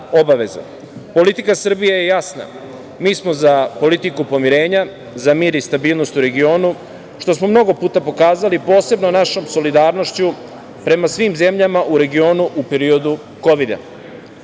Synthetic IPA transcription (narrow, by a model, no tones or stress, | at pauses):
o̞baʋe̞za̰ | po̞lit̪ikasr̩bijejejasna̰ | miːsmo̞zapo̞lit̪ikupo̞miɾe̞ːɲa | zamiːɾist̪abiːlˠno̞st̪uɾe̞ɡio̞ːnu | ʃt̪o̞smo̞mno̞ɡo̞puːt̪apo̞kaːzalipo̞ːse̞bnonaʃo̞mso̞lid̪aːɾno̞ʃt͡ɕu | pɾe̞masʋiːmze̞mʎamaʔuɾe̞ɡio̞ːnuʔupe̞ɾio̞d̪u | ko̞ʋid̪a̰